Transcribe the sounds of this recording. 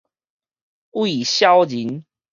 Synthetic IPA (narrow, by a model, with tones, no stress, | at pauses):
wi˨ɕja˦wd͡ʑi˨˦n